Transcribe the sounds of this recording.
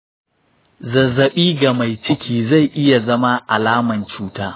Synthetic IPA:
zɐ˨zːɐ˨ɓiː˦ɡa˨ma˨jt͡ʃɪ˦kʲʰiː˦za˦˨jʔɪ˦ja˨zɐ˦ma˦ʔa˨laː˦mɐ˨nt͡ʃuː˦taː˦

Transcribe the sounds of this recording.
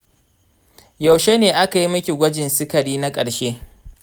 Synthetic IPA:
ja˨wʃe˦neː˨ʔa˦ka˨ji˦mɐ˦kʲi˨ɡʷɐ˦d͡ʒɪ˨nsɪ˦kɐ˨ɽiː˦na˦kʼɐ˨ɽʃeː˦

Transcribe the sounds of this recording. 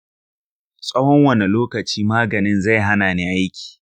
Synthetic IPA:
sʼɐ˦hɔ˦ŋwɐ˦˨ne˨loː˦kɐ˨t͡ʃiː˦maː˦ɡɐ˨nɪ˦nza˦˨jɦa˦naː˨niː˦ʔa˦jkʲi̥ː˨

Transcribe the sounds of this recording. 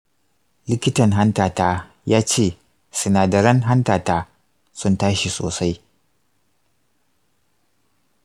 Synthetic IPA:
lɪ˦kʲɪ˦tɐ˨ŋɦa˦ntaː˨taː˦ | jaː˦t͡ʃeː˦˨ | sʊ˨naː˨dɐ˨ɾɐ˦ŋɦa˦ntaː˨taː˦ | sʊ˦ntaː˦ʃi˨soː˨sa˦j

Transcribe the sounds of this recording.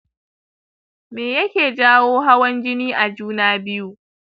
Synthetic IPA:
meː˨jɐ˦kʲeː˨d͡ʒaː˦woː˦ɦa˦wɐ˦nd͡ʒɪ˦niː˦ʔa˨d͡ʒuː˦naː˦bɪ˦ju˦ʔ

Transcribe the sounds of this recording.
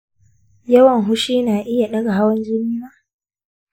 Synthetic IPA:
jɐ˦wɐ˨ŋɦʊ˦ʃiː˦naː˨ʔɪ˦ja˨ɗɐ˦ɡa˨ɦa˦wɐ˦nd͡ʒɪ˦niː˦maː˦

